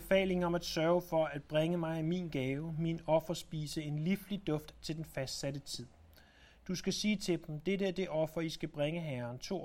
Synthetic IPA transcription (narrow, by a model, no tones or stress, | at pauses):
efɛ̰ːle̝ŋɒ̽mæd̥sɶɐʊfɒ̽æd̥̚b̥ʁeŋəmɑ̈ɪmḭːnɡ̥ɛːʊminɒ̽fɐsb̥ḭːsəe̝nliflid̥ɔ̽fd̥t͡sʰe̝ld̥enfæsd̥sæd̥ət͡sʰið̰ˠ | d̥usɡ̥æsiːt͡sʰe̝d̥m̩d̥eɾəæɐd̥e̝ʔɒ̽fɐisɡ̥æb̥ʁaŋəɦæɐnt͡sʰo̝̰